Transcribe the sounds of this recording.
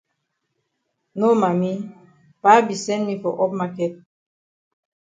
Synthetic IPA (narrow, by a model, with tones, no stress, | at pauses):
no˦ma˨mi˦ | pa˨˦bi˨sɛ̃˦nmi˦fɔ˨ʔɔ˦p̚ma˦kɛ˦t̚